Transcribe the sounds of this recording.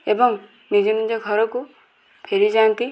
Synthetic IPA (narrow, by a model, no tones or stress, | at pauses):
ebɔŋ | nid͡ʒɔnid͡ʒɔɡʱʌɾɔku | pʰeɾid͡ʒant̪i